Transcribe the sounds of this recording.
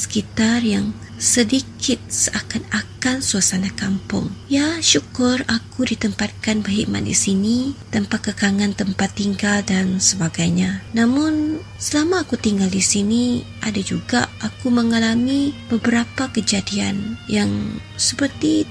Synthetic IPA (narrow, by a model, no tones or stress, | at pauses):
sə̥kit̪arjaŋ | sədikʰɪt̪̚səakanakansuasanakampʊ̰ŋjaʃukʊrakudit̪əmpat̪̚kanbərɦiʔ̚ma̰t̪̚dḭsinit̪əmpakəkaŋant̪əmpat̪ːiŋɡaldansəbaɡajɲanamʊn | səlamaːkut̪iŋɡaldisiniʔadad͡ʒuɡa̰ʔakuməŋalamib̥əbəɾapakəd͡ʒadia̰njaŋ | səpərt̪i